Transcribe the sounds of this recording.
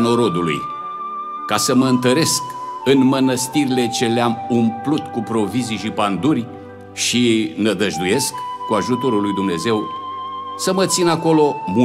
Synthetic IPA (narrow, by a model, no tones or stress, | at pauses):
no̞ɾo̞d̪ulṵj | kasəməɨnt̪əɾe̞skɨnmənəst̪iɾile̞t͡ʃe̞leamumplut̪kupɾo̞viziʃipand̪urʲ | ʃinəd̪əʒd̪uje̞skːuaʒut̪o̞ɾulːujd̪umne̞ze̞w | səmət̪sinako̞lo̞mu